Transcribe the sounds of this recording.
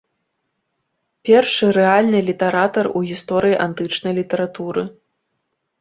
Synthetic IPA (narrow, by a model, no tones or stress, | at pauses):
pʲɛrʂɨɾɛalʲnɨlʲit̪ɐɾat̪ɐruɣʲist̪ɔɾɨjiʔant̪ɨt͡ʂnɐjlʲit̪ɐɾat̪uɾɨ